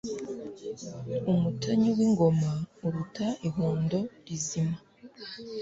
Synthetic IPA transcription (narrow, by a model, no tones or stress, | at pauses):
umutaɲuwiŋɡo̞mauɾutaiɦoːndo̞ɾizima